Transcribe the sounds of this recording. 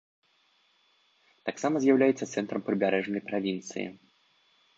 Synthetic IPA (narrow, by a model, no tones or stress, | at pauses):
t̪aksamɐzʲjawlʲajɛt̪sːɐt̪sɛnt̪ɾɐmpɾɨbʲaɾɛʐnɐjpɾavʲint̪sɨ̰jḭ